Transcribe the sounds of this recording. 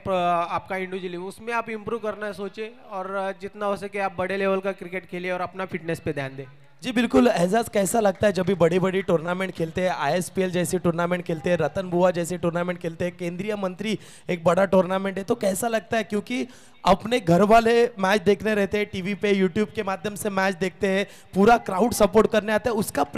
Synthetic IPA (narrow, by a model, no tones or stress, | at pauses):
paːpkaɪ̃ɳɖud͡ʒɪliʊsmẽaːpɪ̃mpɾuːʋkɐɾnaɛsoːt͡ʃẽ | ɔːɾd͡ʒɪt̪naosekeaːp̚bɐɽeleːʋəlkakɾɪkeːʈkʰeːlieɔːɾɐpnafʰɪʈnesped̪aːnd̪eː | d͡ʒiːbɪlkʊlɛɦzaːzkɛːsalɐɡ̚t̪aɦɛd͡ʒɐbʱibɐɽebɐɽiʈoːɾnaːmẽːɳʈ̚kʰeːlt̪eɦɛ̃ʔaːjespield͡ʒɛːseʈuːɾnaːmẽːɳʈ̚kʰeːlt̪eɦɛ̃ɾɐt̪ənbʱuad͡ʒɛːseʈuːɾnaːmẽːɳʈ̚kʰeːlt̪eɦɛkẽːnd̪ɾijəmɐ̃nt̪ɾi | eːk̚bɐɽaʈoːɾnaːmẽɳʈɦɛt̪okɛːsalɐɡ̚t̪aɦɛkjõːki | ɐpneɡʱɐɾʋaːlemɛːt͡ʃd̪eːkʰneɾɛɦt̪eɦɛ̃ʈiːʋipejuːʈjuːb̚kemaːd̪ʱjəmsemɛːt͡ʃd̪eːk̚ʰt̪eɦɛ̃ | puːɾakɾaːʊɖsɐpoːɾʈ̚kɐɾneaːt̪aɦɛʊskap